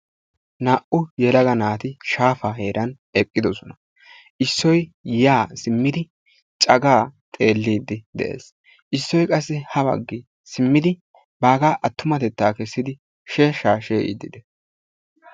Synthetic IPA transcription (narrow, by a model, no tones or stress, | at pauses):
naːʔʊjɛlɐɡɐnaːt̪ɪʃaːfaːɦe̞ːɾɐn | ɛkʼːɪd̪ɔsɔnɐ | ʔɪsːɔjjaːsɪmːɪd̪ɪ | t͡ʃʼɐɡaːt̪ʼe̞ːlːiːd̪ːɪd̪ɛ̰ʔḛːs | ʔɪsːɔjkʼɐsːɪhɐbɐ̰ɡːɪ | sɪmːɪd̪ɪ | baːɡaːʔɐt̪ːʊmɐt̪ɛt̪ːaːkɛsːɪd̪ɪ | ʃeːʃaːʃeːʔḭd̪ːɪd̪ɛ